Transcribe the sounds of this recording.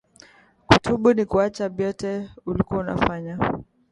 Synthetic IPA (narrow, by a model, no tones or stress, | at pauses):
kutuɓunikuat͡ʃaɓjɔtɛulikuauna̰faɲa